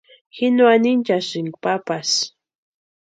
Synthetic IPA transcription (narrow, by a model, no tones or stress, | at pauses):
xɪnwanɪnt͡ʃaʃɪŋɡpapas